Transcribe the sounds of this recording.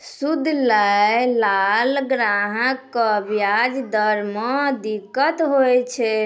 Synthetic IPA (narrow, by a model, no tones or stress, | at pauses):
sud̪ʱlajlalɡɾaɦəkːəbjad͡ʒd̪əɾmɔd̪ikːət̪ɦojt͡ʃʰɛ